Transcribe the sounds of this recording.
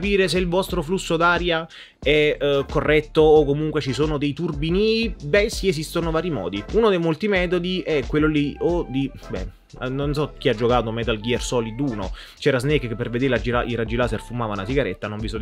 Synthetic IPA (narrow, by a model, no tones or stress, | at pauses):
piːɾes̬eilvɔst̪ɾoflusːod̪aːɾja | ɛkorːɛt̪ːoːkːomuŋkwet͡ʃisoːnod̪ejt̪urbinibɛsːiesist̪onovaːɾimɔ̰ːd̪iuːnod̪ejmolt̪imɛːt̪̬od̪iʔɛkwelːoliod̪i | bɛ̰ | nonsɔk̟ːiad͡ʒːokaːt̪omɛːt̪alɡiɛrsɔːliuːno̰ | t͡ʃɛːɾaznekkːepːerved̪eːɾelad͡ʒila̰ʔirad͡ʒilaːserfumaːvanasiɡaɾɛt̪ːanoɱvisɔ